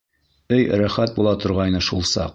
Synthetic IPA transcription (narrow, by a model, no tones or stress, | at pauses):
ɵjɾæχæt̪̚bulˠɑt̪ŏɾʁɑjnɤʃulˠsɑ̰q